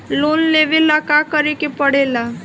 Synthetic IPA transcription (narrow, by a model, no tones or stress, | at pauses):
loːnleːʋelakakəɾekepəɽeːla